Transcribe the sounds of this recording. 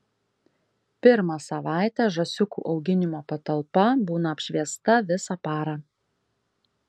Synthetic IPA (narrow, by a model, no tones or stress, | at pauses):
pʲɪɾmɑsɐʋɑˑɪt̪ʲæːʒɐsʲʊkṵːʔɒʊɡʲɪnʲɪmoːpɐt̪ɐlˠpɐbuːnɐɐpʲʃʲʋʲiɛst̪ɐʋʲɪsɑpɑːɾɑː